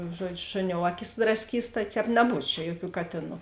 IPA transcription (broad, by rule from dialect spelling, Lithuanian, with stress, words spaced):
ˈʒuɔˌd͡ʒʲʊ ˈʃʊˌnʲoːʊ ˈɑːˌkʲɪs drɐsʲˈkʲiːs tɐɪ ˈtʲɛːp nʲɛˈbuːs t͡ʃʲɛ ˈjuɔˌkʲuː ˈkɑːtʲeːˌnuː